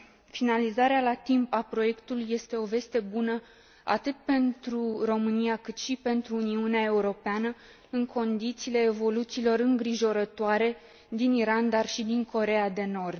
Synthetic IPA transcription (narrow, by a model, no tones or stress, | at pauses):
finalizaɾealat̪impapɾo̞je̞kt̪ulujːe̞st̪e̞o̞ve̞st̪e̞bunə | a̰t̪ɨt̪̚pe̞nt̪ɾuro̞mɨnijakɨt̪ʃipe̞nt̪ɾuːniuneae̞uɾo̞peanə | ɨŋkʰo̞nd̪it̪siːle̞ːvo̞lut̪siːlo̞ɾɨŋɡɾiʒo̞ɾət̪oaɾe̞ | d̪iniɾand̪arʃid̪iŋkʰo̞ɾe̞ad̪e̞no̞rd̪